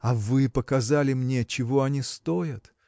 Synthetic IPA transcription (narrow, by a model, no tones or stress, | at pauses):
ɐvɨpəkɐzalʲɪmnʲet͡ɕɪvoɐnʲist̪ojət̪